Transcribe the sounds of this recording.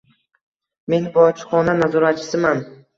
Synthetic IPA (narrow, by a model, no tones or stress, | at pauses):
me̞nbɒt͡ʃʰɪ̥χɒnanazɒɾat̪̚t͡ʃʰɪ̥sɪman